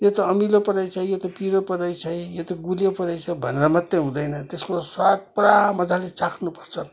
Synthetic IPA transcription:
jot̪ʌːmilopʌɾajt͡sʰʌjot̪ʌpiɾopʌɾʌjt͡sʰʌijot̪ʌɡulijopʌɾʌjt͡sʰʌbʱʌneɾʌmʌt̪ːeɦũd̪ʌjnʌt̪eskoswat̪̚puɾamʌd͡zalet͡sakʰnupʌrt͡sʰʌ

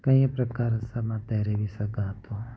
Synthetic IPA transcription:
kəĩpɾəkaːɾsəmãt̪ɛːɾebʱisəɡãːt̪o

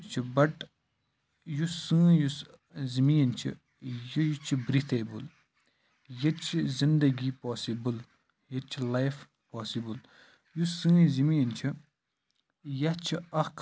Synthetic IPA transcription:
t͡ʃʰibɐʈ | jusɨ̃ːjus | zimiːɐnt͡ʃʰḭ | jijut͡ʃʰibɾit̪ʰebul | jɐt͡ʃʰizind̪ɐɡipoːsibɨl | jɐt͡ʃʰilajf | paːsibul | jusɨ̃ːzimiːɐnt͡ʃʰi | jɐt͡ʃʰiɐk

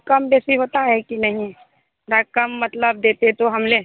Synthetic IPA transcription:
kəmbɛːsiɦot̪aɦɛkinɐɦĩ | ɾəkəmːət̪ləb̚d̪eːt̪et̪oɦəmle

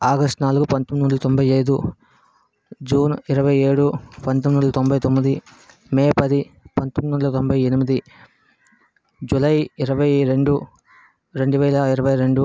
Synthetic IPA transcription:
aːɡɐsʈnaːluɡupɐnt̪omd̪uɳɖɐlɐt̪o̞mbʱɐjɐjd̪u | d͡ʒuːniɾɐʋɐjeːɽupɐnt̪omd̪uɳɖɐlɐt̪ombʱɐjt̪omːid̪i | meːpɐd̪ipɐnt̪omd̪ɐɳɖɐlt̪ombʱɐjenumid̪i | d͡ʒulɐjiɾɐʋɐjɾe̞ɳɖu | ɾe̞ɳɖuʋɛːlɐiɾɐʋɐjɾe̞ɳɖu

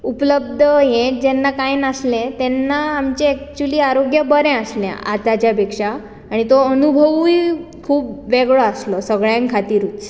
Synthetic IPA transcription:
upləbd̪ʱəɦẽʈ̚d͡ʑɛnːakajnaslẽt̪ɛnːaamt͡ɕeːk̚t͡ɕuliːaɾoɡjəbəɾẽaslã̰ʔa̰t̪at͡ɕjapekʂaː | ɽ̃it̪oənubʱəʋi | kʰuːpʋeɡɭɔaslɔsəɡɭjãŋkʰat̪iːɾuːt͡s

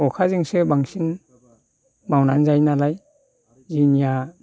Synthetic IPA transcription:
ɔkʰazɯŋsebaŋsin | mawnanzajnalaj | zinija

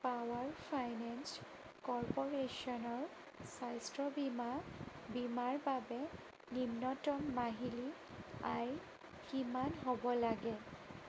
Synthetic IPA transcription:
pawaɹpʰajnɛns | kɔɹpɔɹesɔnɔɹ | sajstɹɔbima | bimaɹbabɛ | nimnɔtɔmːaɦili | aj | kimanɦobɔlaɡɛ

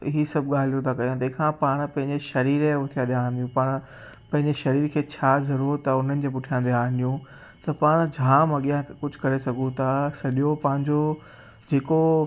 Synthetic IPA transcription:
ɦisɐbʱɠaːl̤ijõt̪ʰakɐjõt̪ɐ̃ɦkʰãpaːɽ̃pɐ̃ɦɪ̃ɲd͡ʑeʃɐɾiːɾeʊt̪ʰijãːd̪aːɦnd̪jũpaːɽ̃ | pɐ̃ɦɪ̃ɲd͡ʑeʃɐɾiːɾkʰeːt͡ɕʰaːzɐɾuːɾɐʊn̤ənɪ̆d͡ʑʰeːpʊʈʰijãːnd̪eãːnd̪ijũ | t̪ɐpaːɽ̃d͡ʑʱãːmɐɠijakʊd͡ʑʱʊ̥kɐɾesɐɡʱũt̪ʰasɐɗijopɐ̃ɦɪ̃ɲd͡ʑo | d͡ʑeːko

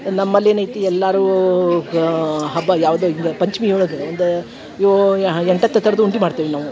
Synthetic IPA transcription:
nɐmːɐlːeːnɐjt̪iɛlːaːɾuː | ɦɐbːɐjaːʋd̪oːiŋɡɐpɐɲt͡ʃmiuɭɐɡeɐnd̪e | joɛɳʈɐt̪ːɐt̪ʰɐɾɐd̪uuɳʈimaːɖt̪iːʋinaːʋu

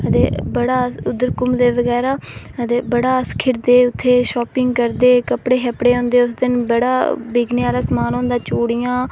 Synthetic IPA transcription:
ət̪eːbəɽaːʊd̪əɾkʊmd̪eːʋəɡɛːɾaː | ət̪eːbəɽaːskʰɪɾd̪eːʊt̪ʰːeːʃɔːpɪŋɡkəɾd̪eːkəpɽeːɦɛːpɽeːɦõːnd̪eːʊsd̪ɪnbəɽa̰ːbiːɡneːaːlaːsəmaːnõːnd̪ãːt͡ʃoːɽijãː

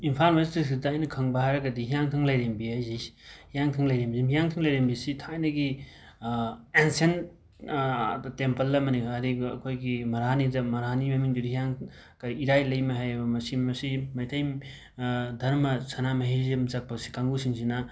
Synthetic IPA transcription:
inpʰalmestis̬idaːjnɐkʰɐŋbɐɦajɾɐɡɐdiɦijaŋtʰɯŋlɐjɾembiajzishijaŋtʰɯŋlɐjɾembizimijaŋtʰɯŋlɐjɾembisitʰajnɐɡi | ensen | tempɐlːɐmɐnikʰaɐɾiɐ̰kʰojɡimɐɾanidɐmɐɾɦanimɐmiŋbudihijaŋ | kɐiɾajlɐjmɐɦajɐbɐmɐsimɐsimɐjtʰɐj | dʱɐɾmɐsɐnamɐɦizimzak̚pɐsi̥kaŋɡusiŋsinɐ

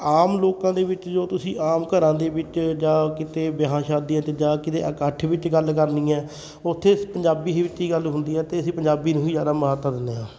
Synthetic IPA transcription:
aːmloːkãːd̪eːʋɪt͡ʃd͡ʒoːt̪ʊsĩːaːmkəɾãːd̪eːbɪt͡ʃd͡ʒaːkɪt̪eːbɪɦaːʃãːd̪iãːt̪eːd͡ʒaːkɪt̪ḛːʔəkəʈʰʋɪt͡ʃɡəlkəɾnĩːɛː | ʊt̪ʰːeːpəɲd͡ʒaːbiːɦiːʋɪt͡ʃːɦiːɡəlɦʊ̃nd̪iːɛːt̪eːəsĩːpəɲd͡ʒaːbiːnũːɦiːzjaːd̪aːməɦət̪ːãːd̪ɪnːeːãː

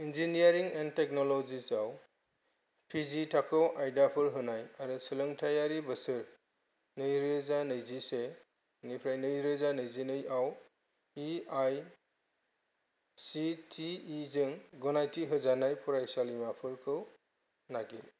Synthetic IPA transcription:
ind͡ʒiniaɾiŋendtek̚nɔlɔzisaw | pʰizitʰakʰɯwʔajdapʰɯɾɦɯnajaɾusɯlɯŋtʰajaɾibɯsɯɾ | nɯjɾezanɯjzise | nipʰɾajnɯjɾezanɯjzinɯjaw | iaj | sitʰiːzɯŋɡɔnajtʰiɦɯzanajpʰuɾajsalimapʰɯɾkʰɯw | naɡil

